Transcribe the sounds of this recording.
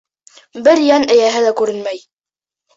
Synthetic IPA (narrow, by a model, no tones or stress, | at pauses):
bɘɾjænɘ̆jæɦɘlækʉɾɘnmæj